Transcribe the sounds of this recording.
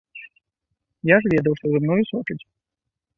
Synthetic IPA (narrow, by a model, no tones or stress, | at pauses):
jaʐvʲɛd̪ɐwʂt̪ɔzɨmnɔjusɔt͡ʂɪt͡sʲ